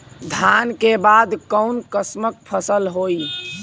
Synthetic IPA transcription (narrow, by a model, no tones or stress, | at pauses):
d̪ʱankebad̪kəʊnkəsmək̚pʰəsəlɦoi